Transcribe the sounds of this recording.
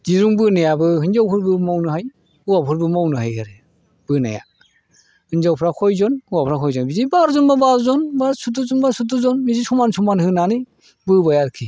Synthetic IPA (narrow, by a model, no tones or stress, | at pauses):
d̥iɾuŋbɯnajabɯhɯnzawpʰɯɾbɯmawnɯɦaj | uwapʰɯɾbɯmawnɯɦajhaɾe | b̥ɯna̰ja̰ | hɯnzawpʰɾakʰɔjzɔnuwapʰɾakʰɔjzɔnbizibaɾzɔnbabazɔnbasutuzɔnbasutuzɔnmizisumansumanhɯnanɯ | bɯbajaɾkʰi